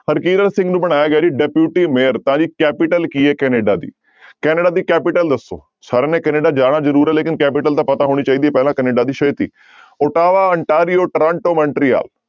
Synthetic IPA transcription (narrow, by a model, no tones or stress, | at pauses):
həɾkiːɾəɾsɪ̃ŋɡnũːbəɽ̃aːjaːɡɛaːd͡ʒiːɖɛpjuːʈiːmeːəɾt̪ãːd͡ʒiːkɛːpɪʈəlkiːeːkɛːneːɖaːd̪ḭː | kɛːneɖaːd̪iːkɛːpɪʈəld̪əsːo̰ː | saːɾeːneːkɛːneːɖaːd͡ʒaːɽ̃aːzəɾuːɾɛːleːkɪnkɛːpɪʈəlt̪ãːpət̪aːɦoːɽ̃iːt͡ʃaːiːd̪iːɛːpɛːlãːkɛneːɖaːd̪iːʃət̪ḭː | ʊʈaːʋaːəɳʈaːɾijoːʈɾãːɳʈoːməɳʈɾiːa̰ːl